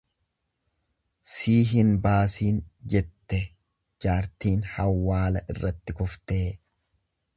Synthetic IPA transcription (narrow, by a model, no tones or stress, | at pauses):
siːɦɪnbaːsiːnd͡ʒɛt̪ːɛ | d͡ʒaːɾt̪iːnhɐwːaːlɐʔɪrːɐt̪ːɪkʊft̪eː